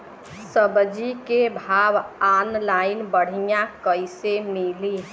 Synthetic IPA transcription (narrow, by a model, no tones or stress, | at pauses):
səbd͡ʒikebʱabanlainbəɽ̤ijakəjsemili